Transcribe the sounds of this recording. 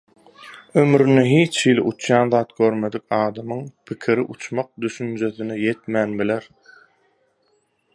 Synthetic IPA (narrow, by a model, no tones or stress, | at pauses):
ømɾyneɦiːt͡ʃʰhiliʔut͡ʃʰjɑːnðɑːt̪̚ɡ̥ø̞ɾme̞d̪ik̚ʲɑːd̪ɑmɯŋpʰikʰiɾiʔut͡ʃmɑq̚d̪yʃynd͡ʒø̞θineje̞t̪mæːnbileɾ